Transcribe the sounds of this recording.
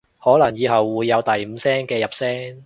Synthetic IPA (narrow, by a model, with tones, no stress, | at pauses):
hɔː˨˥lɐ˨˩ŋjiː˨˧hɐ˨wːuː˨˧jːɐ˨˧wt̪ɐ˨jm̩ː˨˧sɛː˥ŋkɛː˧jɐ˨p̚sɛː˥ŋ